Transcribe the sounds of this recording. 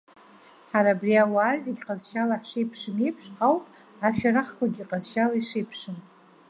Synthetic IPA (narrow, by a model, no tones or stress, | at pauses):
ħaɾaːbriawazeɡʲqʼazʃalaħʂejpʰʂɨme̞jpʰʂʼqawpʼ | aʃᶣaraχkʷʰaɡʲiqʼazʃalaiʂejpʰʂɨn